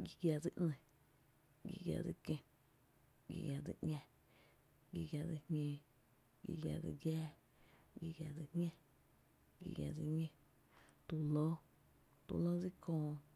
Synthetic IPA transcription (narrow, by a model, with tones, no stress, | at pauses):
ɡi˧ɡʲja˧˨d͡zi˧ʔnẽ˧˨ | ɡḭ˧ɡʲja̰˧˨d͡zi˦kẽ˧˨ | ɡḭ˧ɡʲja˨d͡zḭ˧ʔɲʲã˧ | ɡi˧ɡja˧d͡zi˧hɲẽː˧ | ɡḭ˧ɡja˧˨d͡zi˧ɡjaː˦ | ɡi˧ɡja˧˨d͡zi˧hɲã˦˧ | ɡḭ˧ɡja̰˧˨d͡zi˧ɲẽ˦ | t̪u˧lo˦ | t̪ṵ˧˨lo˦d͡zi˦kʰõː˧˨